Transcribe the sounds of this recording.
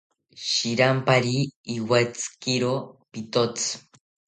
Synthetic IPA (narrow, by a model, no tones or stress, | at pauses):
ʃiɾampaɾiːwat͡sɨ̥kiɾopit̪ot͡sɨ̥